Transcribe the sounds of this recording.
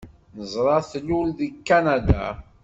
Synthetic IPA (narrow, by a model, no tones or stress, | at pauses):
nəzˤɾˤɑθlulðikːanad̪a̰